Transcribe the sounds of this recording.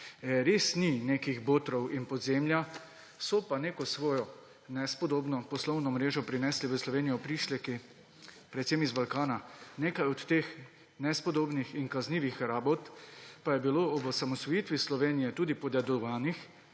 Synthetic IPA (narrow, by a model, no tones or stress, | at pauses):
ɛɾeːsninekiɣboːt̪ɾɔwinpɔd̪zeːmlja | sɔpaneːkɔsʋɔːjɔ | nɛspɔd̪oːbnɔpɔslɔwnɔmɾeːʒɔpɾinɛsliʋəslɔʋeːnijɔpɾiʃlɛki | pɾɛt̪semizbalkaːnaneːkajɔt̪t̪eːx | nɛspɔd̪oːbnixiŋkazniːʋixɾaːbɔt̪pajɛbiloːɔbɔsamɔsʋɔjit̪ʋislɔʋeːnijɛt̪uːd̪ipɔd̪jad̪ɔʋaːnix